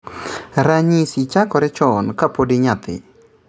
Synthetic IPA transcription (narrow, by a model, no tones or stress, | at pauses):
ɾaɲisit͡ʃakɔɾɛt͡ʃɔnkapodeɲat̪ɪ̰